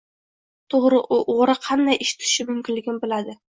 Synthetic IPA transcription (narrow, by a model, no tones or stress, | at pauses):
t̪ʰoʁɾɪʔʔoʁɾɨqʰɑnd̪ajʔeʃɪ̥t̪ʰɪ̥ʃɪmɵmkʲɪnlɪɡʲɪnbɪlad̪ɪ